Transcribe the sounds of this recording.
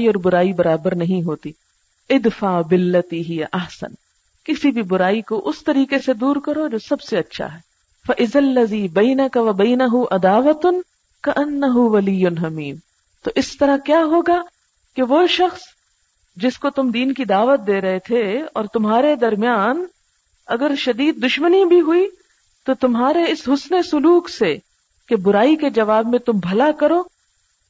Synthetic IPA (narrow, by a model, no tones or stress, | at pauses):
iɔːɾbʊɾaːibɐɾaːbəɾnɐɦĩɦoːt̪iː | ɪd̪faːbɪlːɐt̪iɦɪjaʔɐhsə̰n | kɪsibʱibʊɾaːikoʔʊst̪ɐɾiːkesed̪uːɾkɐɾod͡ʒoːsɐbseɐtːʃʰa̰ɦɛː | fɐʔɪzɐlːɐziːbɐːnɐkɐʋɐbɐːnɐɦuʔɐd̪aːʋɐt̪ʊn | kɐʔɐnːɐɦuʋɐlijːʊnɦɐmiːm | t̪oːʔɪst̪ɐɾakjaːɦoːɡa | keʋoʃɐxs | d͡ʒɪskot̪ʊmd̪iːnkid̪aːʋət̪̚d̪eːɾɐɦet̪ʰeɔːɾt̪ʊmɦaːɾed̪ɐɾmijaːn | ɐɡəɾʃɐd̪iːd̪̚ːʊʃmənibʱiɦʊi | t̪ot̪ʊmɦaːɾeɪsɦʊsnesʊluːkse | kebʊɾaːiked͡ʒɐʋaːbmẽt̪ʊmbʱɐlakɐɾoː